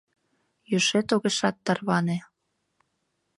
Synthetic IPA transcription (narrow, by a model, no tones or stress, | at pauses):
jøʃet̪oɣeʃɑt̪ːɑrβɑne